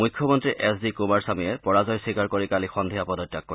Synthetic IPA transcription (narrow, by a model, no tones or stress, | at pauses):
mujkʰːjɔmɔntɹiʔɛsdikumaɹsamijɛpɔɹazɔjsikaɹkoɹikalixɔndʱijapɔdɔtːak̚ːo